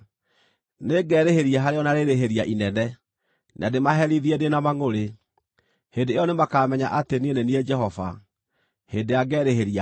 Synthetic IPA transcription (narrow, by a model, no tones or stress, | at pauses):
neɡɛːɾeheɾiaɦaɾeɔnaɾeɾeɦeɾiaʔinɛnɛ | nʔa̰demaɦɛɾiðiɛdenamaŋoɾe | hedeeɔnemakaːmɛɲaʔatenienɛniɛd͡ʒɛɦɔva̰ | hedeaɡɛːɾeheɾia